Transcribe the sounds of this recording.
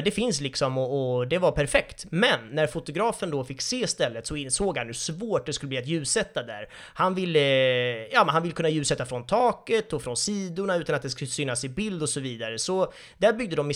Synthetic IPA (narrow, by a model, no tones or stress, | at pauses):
d̪ɛfɪnslɪksɔmɔɔd̪ɛvaɾpʰæɾfɛkt̪mɛnːæɾfʊt̪ʊɡɾɑːfənd̪ɔfɪkːseːst̪ɛlːət̪sɔɪnsoːɡhanjɵsvoːʈ̚d̪ɛskɵlːbliːat̪̬jʉ̟ːsɛt̪ːad̪æ̰ɾ | hanvɪlːəjɑːmɛnhanvɪlkʰɵnːajʉ̟ːsɛt̪ːafɾɔnt̪ʰɑːkət̪ɔfɾɔnsiːd̪ʊɳaʉ̟ːt̪anat̪̚d̪ɛsksyːnːasɪbɪld̪ɔsɔviːd̪aɾəsɔ | d̪̥æɾbʏɡ̚d̪əd̪ɔmːɪ